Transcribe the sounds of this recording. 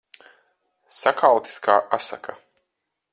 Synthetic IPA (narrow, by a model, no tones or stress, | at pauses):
sakʰawt̪i̥skaːʔasa̰kʰa